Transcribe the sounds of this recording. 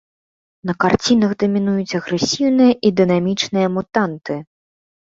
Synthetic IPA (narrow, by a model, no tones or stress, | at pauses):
nɐkart͡sʲinɐɣd̪ɐmʲinujut͡sʲɐɣɾɛsʲiwnɨjɐʔid̪ɨnamʲit͡ʂnɨjɐmut̪ant̪ɨ